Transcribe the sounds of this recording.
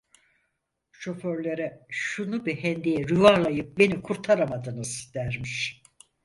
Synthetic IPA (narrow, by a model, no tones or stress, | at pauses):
ʃo̞føɾlʲeɾɛʃunubihɛnd̪ijɛɾyvalˠajɯp̚be̞nikʰuɾt̪ʰaɾamad̪ɯnɯzd̪̥æɾmiʃ